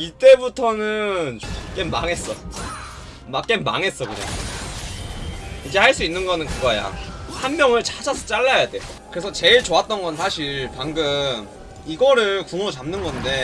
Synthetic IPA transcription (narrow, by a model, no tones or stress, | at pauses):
it͈e̞butʰʌnɯnok͈enmaŋe̞s͈ʌ | mak͈enma̰ŋe̞s͈ʌkuɲa̰ŋ | iɡe̞haɭs͈uinːɯnɡʌnɯnkɯɡʌja̰hanmjʌŋɯɭt͡ɕad͡ʑasʰʌt͡ɕ͈aɭːajade̞okɯɾe̞sʰʌt͡ɕe̞ɭt͡ɕoat̚t͈ʌnɡʌnsʰaɕʰiɭpaŋɡɯm | iɡʌɾɯɭkuŋot͡ɕamnɯnɡʌnde̞